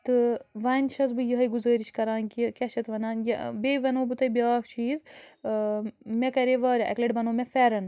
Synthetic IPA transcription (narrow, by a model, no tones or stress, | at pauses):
t̪ɨʋɐnʃʰɐzbɨjɐɦɐjɡuzəːɾiʃkɐɾaːnkikɐʃʰɐt̪ʋɐnaːnjɐ̰beːʋɐnoːbɨt̪ɐjbiaːkt͡ʃʰiːz | mekɐɾeʋaːɾʲɐʔɐkleʈʋɐnoːmʲɛfɛɾɐn